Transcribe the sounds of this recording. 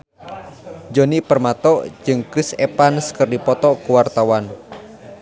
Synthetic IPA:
d͡ʒonipərmat̪ɔ̥d͡ʒɨŋkɾɪsepanskərdipɔt̪ɔʔkuwart̪awan

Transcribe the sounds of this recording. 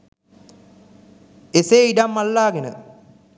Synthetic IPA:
eseiɖamːalːaːɡenə̰

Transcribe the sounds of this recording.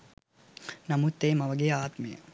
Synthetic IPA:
nɐmut̪ːeːmɐʋəɡejaːt̪mejə̰

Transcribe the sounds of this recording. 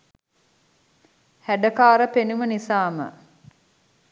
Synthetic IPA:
hæɖəkaːɾəpenumənisaːmə̰

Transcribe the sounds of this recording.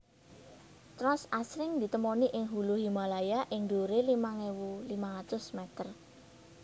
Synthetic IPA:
t̪ɾɔsasɾɪŋd̪i̤t̪əmoniʔɪŋɦuluɦimalajaʔɪŋd̪oɾelimaŋewulimalat̪ʊsmɛt̪ər

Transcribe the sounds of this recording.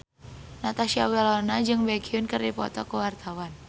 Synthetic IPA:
nat̪asiawɛlɔnad͡ʒɨŋbɛkiunkərdipɔ̰t̪ɔkəwart̪awan

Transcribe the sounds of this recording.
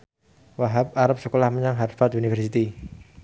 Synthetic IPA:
waɦap̚aɾap̚səkolahməɲaŋɦarfat̪unifɛrsit̪i

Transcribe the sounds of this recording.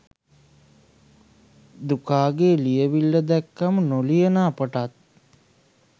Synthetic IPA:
d̪ukaːɡeːlijəʋilːəd̪ɛkːamənolijənaːpəʈat̪̚

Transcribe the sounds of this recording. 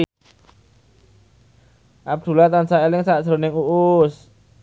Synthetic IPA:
ʔab̚d̪̥ṳlat̪ansaelɪŋsaʔʒ̥ɾo̤nɪŋuʔʊs

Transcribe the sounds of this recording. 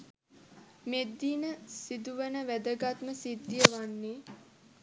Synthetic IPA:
med̪ːiːnəsid̪uʋənəʋæd̪əɡat̪məsid̪ːijəʋanːe

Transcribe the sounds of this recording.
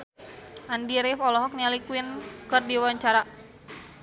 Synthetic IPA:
ʔandiɾifɔlɔɦɔk̚nalikuinkɨrdiwaɲt͡ʃaɾa

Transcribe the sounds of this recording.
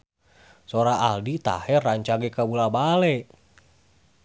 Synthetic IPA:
sɔɾaaldit̪a̰hɛraɲt͡ʃaɡɛkabulabalɛ

